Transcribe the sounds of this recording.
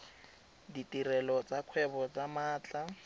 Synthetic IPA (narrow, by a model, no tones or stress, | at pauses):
ditirɛlɔt͡sakʰwɛbɔt͡samaːt͡ɬʼa